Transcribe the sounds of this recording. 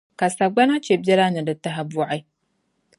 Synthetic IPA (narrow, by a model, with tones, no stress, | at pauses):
ka˨sa˨ɡ͡ba˦na˦t͡ʃe˨bʲɛ˦la˦nɨ˨dɨ˨ta˦ɦa˦bu˦ʔa˦j